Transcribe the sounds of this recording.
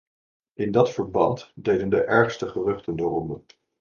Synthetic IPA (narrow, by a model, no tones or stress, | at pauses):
ʔɪndɑtfəɹbɑntdejdəndəʔɛɹχstəχərɵχtəndərɔndən